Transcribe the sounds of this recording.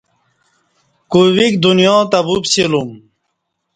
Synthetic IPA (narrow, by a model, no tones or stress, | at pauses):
kuwikd̪unjɔ̃ːt̪ɐbubsilum